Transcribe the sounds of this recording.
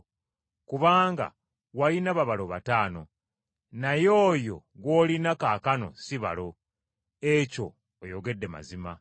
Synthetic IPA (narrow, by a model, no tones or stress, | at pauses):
kuβaːŋɡa̰ | walinaβaβaloβa̰taːno̞̰ | najo̞ːjo̞̰ɡwo̞ːlinakaːkano̞̰siβa̰lo̞ | eco̞̰ː | joɡe̞dːe̞ma̰zima